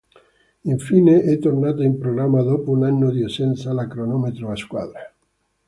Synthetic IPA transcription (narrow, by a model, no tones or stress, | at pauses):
iɱfineʔɛt̪ːornat̪oimpɾoɣɾamːad̪opounanːod̪iesɛnt̪salakɾonɔmet̪ɾoaskwa̰d̪ɾa